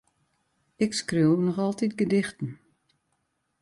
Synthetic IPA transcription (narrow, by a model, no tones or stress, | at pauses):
ɪkskriwnɔxɔlˠtit̚ɡədɪxtən̩